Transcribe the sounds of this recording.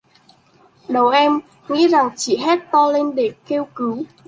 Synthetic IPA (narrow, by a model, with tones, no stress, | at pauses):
ɗə˨˩wʔɛ˧m | ŋḭ˧˥za˨˩ŋt͡ɕḭ˧˨ɦɛ˦˥t̚t̪ɔ˧le˧nɗe˧˩ke˧wkɨ˨˦